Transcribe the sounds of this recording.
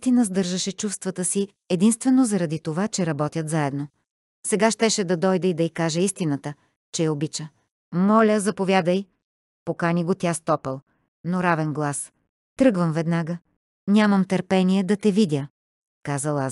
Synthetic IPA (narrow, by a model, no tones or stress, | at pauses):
t̪inəzd̪ɤɾʒəʃɛt͡ʃufst̪vɐt̪əsi | ɛd̪inst̪vɛnozɐɾɐd̪it̪ovat͡ʃɛɾɐbɔt̪ʲət̪zaɛd̪no | sɛɡaʃt̪ɛʃɛd̪ɐd̪ɔjd̪ɛid̪ɐikaʒɛist̪inət̪ə | t͡ʃɛjɐobit͡ʃə | mɔlʲəzɐpovʲjad̪əj | pokanʲiɡot̪ʲiast̪ɔpəlˠ | noɾavɛnɡlˠas | t̪ɾɤɡvəmvɛd̪naɡə | nʲamɐmt̪ɐɾpɛniɛd̪ɐt̪ɛvid̪ʲə | kazəlˠa